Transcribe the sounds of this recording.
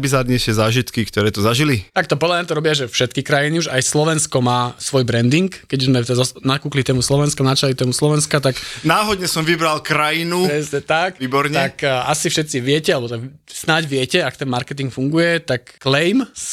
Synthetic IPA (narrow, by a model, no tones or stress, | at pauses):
bizad̪ɲɛʃɛzaːʒit̪kikt̪ɔɾɛːt̪ɔzaʒilit̪akt̪ɔpɔd̪lamɲat̪̬ɔɾɔbɪaʒɛfʃɛt̪kikɾajiniuʒajslɔʋɛnskɔmaːsʋɔjbɾɛnd̪iŋkːɛɟuzmɛt̪ɛɔnakuːklit̪ɛːmuslɔʋɛnskanat͡ʃalit̪ɛːmuslɔʋɛnskat̪aknaːɦɔd̪ɲɛsɔmʋibɾalkɾajinupɾɛsɲɛt̪akiːbɔɾɲɛt̪akasifʃɛt̪siʋɪɛcɛalɛbɔt̪aɡ | snaɟʋɪɛcɛakɔt̪ɛnmaɾkɛt̪̬iŋkfuŋɡujɛt̪akːlɛjms